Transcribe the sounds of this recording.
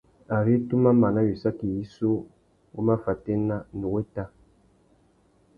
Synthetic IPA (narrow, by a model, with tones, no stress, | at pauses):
a˨ɾe˦tu˦ma˦ma˨na˦wi˨sa˦ki˨ji˦so˦ | wu˦ma˦fa˨te˦na˦nu˨we˦ta˦˨